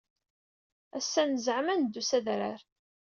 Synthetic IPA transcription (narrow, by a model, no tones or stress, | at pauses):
æsːænəzʕmænd̪ːusæðɾa̰ɾ